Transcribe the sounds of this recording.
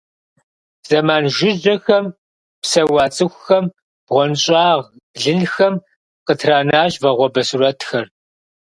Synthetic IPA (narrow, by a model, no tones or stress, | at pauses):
z̥ɐmaːnʒɪd͡ʒɐxɐm | psɐwɑːt͡sʼɨxʷxɐm | b̥ʁʷɔnɕʼɑːʁ | ɮɨnxɐm | qətʰraːnaːʒvɐʁʷɔbɐsuɾɐtʰxɐr